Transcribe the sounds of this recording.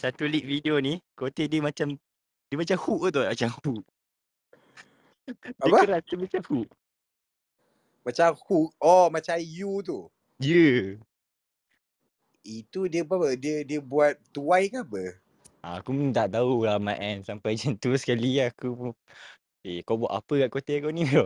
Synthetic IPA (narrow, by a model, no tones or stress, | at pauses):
sat̪uliʔ̚fideonĩkot̪ediəmat͡ʃam | diəmat͡ʃamhuʔt̪̬omat͡ʃamhuʔ | daəaəɾast̪əmat͡ʃamhuʔ | mat͡ʃamhuk̚ɔmat͡ʃajut̪̬u | jə | it̪udiəbapədiədiəbuat̪̚ːuajkabə | a̰akumənt̪aʔt̪aulamã̰ʔɛnsampajd͡ʒant̪usə̥kaliaku | ekawbua̰ʔ̪a̰pəkaʔkot̪ekawnĩo